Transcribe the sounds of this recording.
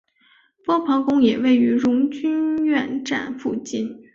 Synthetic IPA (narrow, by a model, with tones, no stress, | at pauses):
pwɔ˥pʰɑ˧˥ŋkʊ˥ŋjɛ˨˩we˥˩ɪy˧˥ɻʊ˧˥ŋt͡ɕy˥nɥɛ˥˧nʈ͡ʂa̰˥˧nfu˥˧t͡ɕi˥˩n